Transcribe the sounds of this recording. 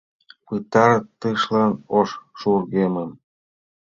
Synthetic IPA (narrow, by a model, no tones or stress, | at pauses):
pɯt̪ɑɾɤt̪ːɯʃlɑnoʃʃurɣeməm